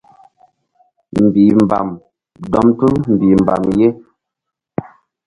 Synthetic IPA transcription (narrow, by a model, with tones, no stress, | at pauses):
m̩˨bi˨m˨ba̰˨m | dɔ˨mtɨ˦m̩˨bi˨m˨ba̰˨mje˦